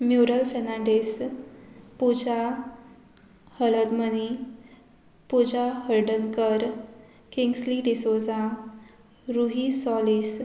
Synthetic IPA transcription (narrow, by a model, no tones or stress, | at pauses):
mjuɾəlfenãɳɖes | pud͡ʑa | hələd̪məni | pud͡ʑaɦəɾɖənkəɾ | kiŋɡsliɖisod͡zã | ɾuɦisɔlis